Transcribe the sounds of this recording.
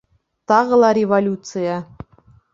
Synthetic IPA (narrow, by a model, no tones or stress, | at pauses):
t̪ɑʁɤ̆lˠɑɾʲevolʲut̪sɨjɑ